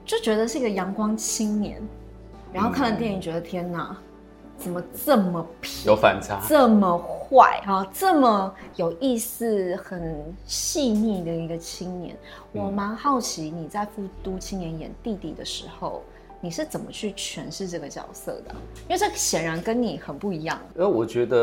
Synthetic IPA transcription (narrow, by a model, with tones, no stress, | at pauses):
t͡ɕo˥˩t͡ɕɥɛ˧˥d̪ə˧ʂɻ̩˥˩i˥ɡə˩jɑ˧˥ŋkwɑ˥ŋt͡ɕʰi˥ŋnjɛ̰˧˥˦n | ɻa˧˥nxo˥˧ʊkʰa˥˩nlə˧˩t̪jɛ˥˩ni˨˩ŋt͡ɕɥɛ˧˥d̪ə˧t̪ʰjɛ˥na˨˩ | t͡sə˨˩mə˦t͡sə˥˩mə˩pʰi˨jo˧˥ʊfa̰˨˩nt͡sʰa˦t͡sə˥˩mə˩xwa˥˩ɪɐ˨˩t͡sɤ˥˩mə˨˩jo˨˩ʊʔi˥˧sɹ̩˥˩xə˨˩nɕi˥˧ni˥˩d̪ə˩i˧˥ɡə˧t͡ɕʰi˥ŋnjɛ̰˧˥n | wɔ˨˩ma˧˥ŋxɑ˥˩ʊt͡ɕʰi˧˥ni˨˩t͡sa˥˧ɪfu˥˩t̪u˥t͡ɕʰi˥ŋnjɛ˧˥njɛ̰˨˩˦nt̪i˥˧t̪i˥˩d̪ə̰˩ʂɻ̩˧˥xo˥˧ʊ | ni˨˩ʂɻ̩˥˩t͡sə˨˩nmə˦t͡ɕʰy˥˩t͡ɕʰɥɛ˧˥nʂɻ̩˥˧ʈ͡ʂɤ˥˩ɡə˩t͡ɕjɑ̰˨˩ʊsɤ̰˥˩d̪ə̰˩i˥we˥˧ɪʈ͡ʂə˥˩ɕjɛ˨˩nɻa˧˥nkə˥nni˨˩xə˨˩npu˥˩i˧˥jɑ˥˩ŋ˩˥˩wɔ˨˩t͡ɕɥɛ˧˥d̪ə˧